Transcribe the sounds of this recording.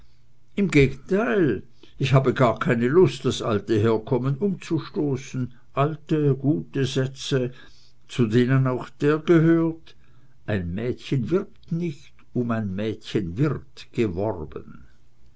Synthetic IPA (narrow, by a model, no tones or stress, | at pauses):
ɪmɡeːɡn̩tʰaɪl | ɪçhaːbəɡaːɐkʰaɪnəlʊstd̥asaltəɦeːɐkʰɔmənʊmt͡suʃtoːsn̩ | ʔaltəɡ̥uːtəzɛt͡sə | t͡sudeːnənaʊxd̥eːɐɡəhøːɐt | ʔaɪnmɛːtçənvɪʁp̚tnɪçt | ʊmaɪnmɛːtçənvɪʁtɡ̥əvɔrbən